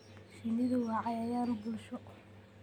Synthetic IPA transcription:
ʃɪnɪðɔɣɐʕɑjɐjaːɾʊbʊlʃɔ

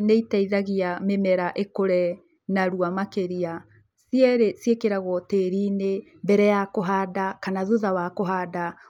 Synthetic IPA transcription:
neitaiðaɣiamemɛɾaʔekoɾɛ | naɾuamakeɾia | siɛɾesiekeɾaɣwɔteːɾine | bɛɾɛjakoɦadakanaðoðawakoɦada

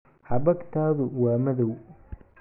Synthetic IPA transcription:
ħɑbɐɡt̪ʰaːðʊwaːmɐðɔw

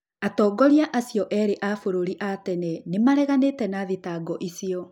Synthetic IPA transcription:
atɔːɡɔɾjaʔasijɔʔɛːɾeʔafoɾoɾiʔatɛnɛnemaɾɛɣaneːtɛnaðetaɡɔʔisiɔ

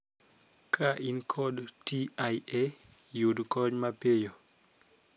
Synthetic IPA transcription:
kʰaʔinkʰɔdtiajejudkɔɲmapejo

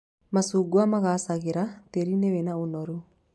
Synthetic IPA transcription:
masuːɡuamaɣasaɣeɾateɾinewenaonɔɾu

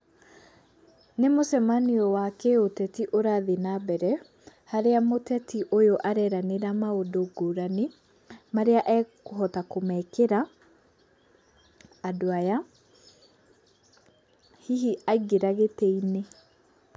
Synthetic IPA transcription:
nemosɛmaniɔwakɛotɛtiʔoɾaðenabɛɾɛ | haɾeamotɛtʰiʔojoʔaɾɛɾaneɾamaodoɡoɾane | maɾeaʔɛkoɦɔtakomɛːkeɾa | doaja | hiɦiʔaiɡeɾaɣetɛine

